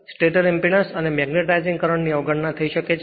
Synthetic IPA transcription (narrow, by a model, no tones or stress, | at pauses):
sʈeʈəɾɛmpinasənemɛɡneʈaizĩŋɡkəɾəɳniɔʋɡəɳnat̪ʰəiʃəket͡ʃʰ